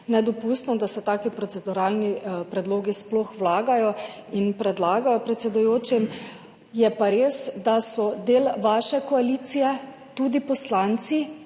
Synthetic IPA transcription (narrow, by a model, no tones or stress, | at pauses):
nɛd̪ɔpust̪nɔd̪asɛt̪aːkipɾɔt̪sɛd̪uɾaːlnipɾɛd̪loːɡisplɔxwlaːɡajɔinpɾɛd̪laːɡajɔpɾɛt̪sɛd̪ujoːt͡ʃim | jɛpaɾeːsd̪asɔd̪eːlʋaːʃɛkɔalit̪sijɛ | t̪ud̪ipɔslant̪si